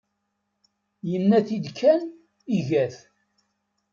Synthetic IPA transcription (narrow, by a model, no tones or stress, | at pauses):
jənːæθid̪kʰːæn | iʝæθ